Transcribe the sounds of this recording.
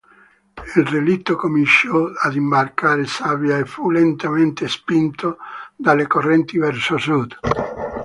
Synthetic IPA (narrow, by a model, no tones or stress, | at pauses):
ilrelit̪ːokomint͡ʃɔad̪imbarkaːɾesavjaefulent̪ament̪espint̪od̪alːekorːɛnt̪ivɛrsosud̪